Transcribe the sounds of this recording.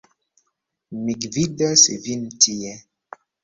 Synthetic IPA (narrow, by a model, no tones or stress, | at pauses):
miɡvidasḛvintijɛ